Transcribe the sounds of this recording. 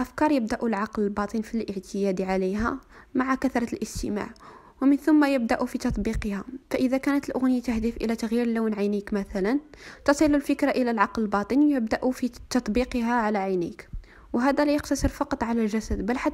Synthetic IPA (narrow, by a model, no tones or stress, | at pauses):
ʔæfkɑɾˤjəbd̪aʔulʕɑqləlbɑt̪ˤənfilʔəʕt̪ʰəjæd̪iʕaleɦæ | maʕakæθɾˤɑlʔəst̪ə̰ma̰ʕ | wəmənθʊmːajəb̚d̪aʔufit̪ɑt̪ˤbiqəhæfæʔəðækænət̪əlʔʊɣnəjat̪əhd̪əfʔə̰læt̪aɣjiɾlawnʕajnikmæθælænt̪ɑsˤilːulfəkɾaʔəlælʕɑqləlbɑt̪ˤənjəbd̪aʔufit̪ɑt̪ˤbiqəɦæʕalæʕajnḭk | wɦæd̪ælæjəqt̪ɑsəɾfɑqɑt̪ˤʕalælʒæsæd̪bælħa